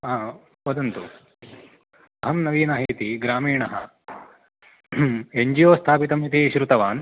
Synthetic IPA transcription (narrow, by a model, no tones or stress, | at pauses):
aː | pɐd̪ɐnt̪u | ɐɦɐmnɐʋiːnaːɦit̪iɡɾaːmiːɳɐɦɐ̰ | eɲd͡ʒijoːst̪ʰaːpit̪ɐmit̪iʃɾut̪ɐʋaːn